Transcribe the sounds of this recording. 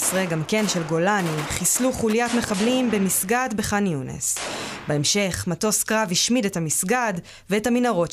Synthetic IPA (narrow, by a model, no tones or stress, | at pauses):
sʁeɡamke̞nʃe̞lɡo̞laniχisluχulijatme̞χablimbe̞misɡadbe̞χanjunḛsbeemʃe̞χmato̞skʁaviʃmidetamisɡad | veethaminaʁo̞t